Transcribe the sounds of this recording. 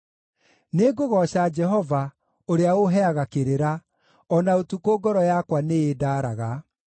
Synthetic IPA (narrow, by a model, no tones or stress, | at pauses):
neɡoɣɔɕad͡ʒɛɦɔva | oɾeaɣoɦɛaɣakeɾeɾa | ɔnaotukoɡɔɾɔjakwaneeːdaːɾaɣa